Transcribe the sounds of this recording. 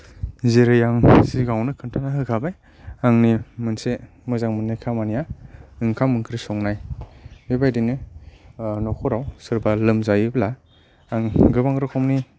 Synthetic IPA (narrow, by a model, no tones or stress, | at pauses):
zeɾɯjaŋsiɡawnɯkʰɯntʰanaɦɯkʰabaj | aŋnimɯnse | mɯzaŋmɯnːajkʰamanijaɯŋkʰamɯŋkʰɾisɔŋnajbebajdinɯ | nɔkʰɔɾawsɯɾbalɯmzajɯbla | aŋɡɯbaŋɾɔkʰɔmni